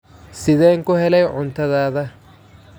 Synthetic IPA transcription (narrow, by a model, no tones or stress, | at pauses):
sɪðɛːŋkʊɦɛlɛjʕʊnt̪ʰɐðaːðɐ